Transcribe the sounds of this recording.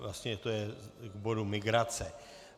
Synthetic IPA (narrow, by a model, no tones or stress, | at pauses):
vlast̪ɲɛt̪ojɛɡbo̞dumɪɡɾat͡sɛ